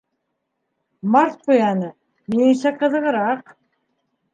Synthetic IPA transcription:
mɑɾt̪̚qujɑnɤ | miɘŋsæqɤ̆ðɤ̆ʁɤ̆ɾɑq

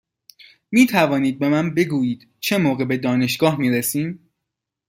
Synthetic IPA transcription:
miːt̪ʰævɒːniːd̪̚be̞mænbe̞ɡuːjiːd̪̥ | t͡ʃʰe̞moːɣebe̞d̪ɒːne̞ʃɡ̥ɒːhmiːɾesiːm

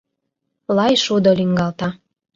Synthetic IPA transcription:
lˠɑjʃud̪oliŋɡɑlt̪ɑ

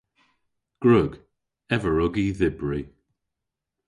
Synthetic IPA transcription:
ɡ̥ɹʊɡ | ɛvəɹʊɡiðɪbɹi

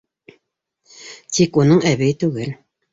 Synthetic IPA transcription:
t̪ʰikunɤɴæβɘɘt̪ʉɡɘl

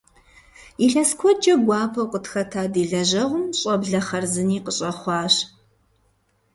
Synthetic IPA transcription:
iɬɐskʷʰɔd͡ʒɐɡʷɑːpʰɐwqətxɐtʰaːdiːɮɐʒɐʁʷʊmɕʼɔbɮɐχɐrzɨniːqəɕʼɐχʷɑːɕ

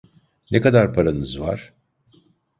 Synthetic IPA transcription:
nekad̪aɾpʰaɾanɯzva̰ɾ̥

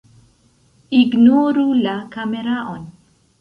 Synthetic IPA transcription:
iɡnoɾulakameɾaʔon

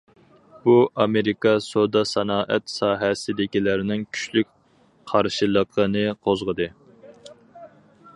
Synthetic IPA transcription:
b̥uʔɑmeɾikɑsod̪ɑsɑnɑːʔɛt̪sɑːɦɛsɪd̪ɪkʲilɪɾɪnɪŋkʲʰy̥ʃlyk̚ʲ | qʰɑɾʃilˠəqʰənɨqʰozʁəd̪ɨ

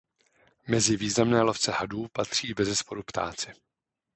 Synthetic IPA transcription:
mɛzɪviːznamnɛːloft͡sɛhaduːpat̪r̝̥iːbɛzɛspo̞ɾupt̪a̰ːt͡sɪ

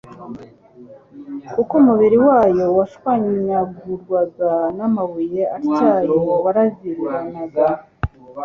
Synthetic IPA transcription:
kukumuβiɾiwaːjo̞waʃwaɲɲaɡuɾɡwaɡanamaβuje̞at͡ʃaːjowaɾaziɾiɾanaɡa

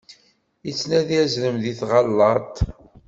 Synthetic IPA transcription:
it͡sːnæðiæzləmðiθʁɑlːɑt̪ˤ

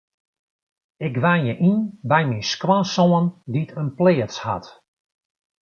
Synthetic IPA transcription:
ɪɡʋanjəʔinbɛjminskwaːsoənditʰənpleːəsha̰t

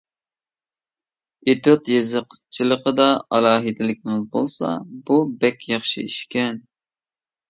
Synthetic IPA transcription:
et̪ot̪jezɨqt͡ʃʰilˠəqəd̪ɑɑlˠɑːɦɨd̪ɪlɪkʲʰɪŋɪzbolˠsɑ̰bubɛkʲjɑχʃḭiʃkʲɛn

